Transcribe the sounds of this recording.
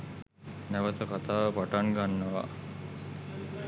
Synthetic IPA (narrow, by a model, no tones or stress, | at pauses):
næʋət̪əkat̪aːʋəpaʈaŋɡanːəʋa̰